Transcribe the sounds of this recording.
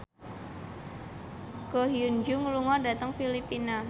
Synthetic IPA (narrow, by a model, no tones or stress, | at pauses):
ɡ̥ɔɦijund͡ʒuŋuluŋɔdat̪əŋfilipina